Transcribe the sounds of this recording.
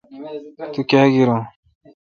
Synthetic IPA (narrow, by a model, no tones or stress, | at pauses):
t̪ukaːɡiɾõː